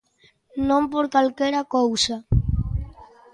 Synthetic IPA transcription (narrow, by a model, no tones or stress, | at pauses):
nõmpoɾkalkeɾakowsa